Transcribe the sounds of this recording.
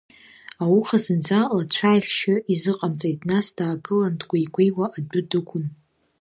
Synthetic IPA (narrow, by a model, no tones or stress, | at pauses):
awuχazɨnd͡zalat͡ɕʷʰajχʲʃɪizɨqʼamt͡sʼejtʼnasdaːɡɨlandɡʷajɡʷejwaʔadʊdɨkʷʰʊn